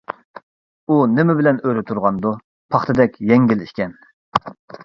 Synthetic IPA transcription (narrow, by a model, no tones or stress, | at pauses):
unɪmɪbɪlɛnøjɾɪt̪ʰuɾʁɑnd̪u | pʰɑχt̪ʰɨd̪ɛkʲjɛŋɡʲiliʃkʲʰɛn